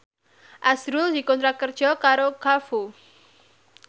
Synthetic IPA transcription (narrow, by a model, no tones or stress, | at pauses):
ʔasɾʊld̥̪ikɔnt̪ɾakərd̥ʒ̥ɔkaɾokafu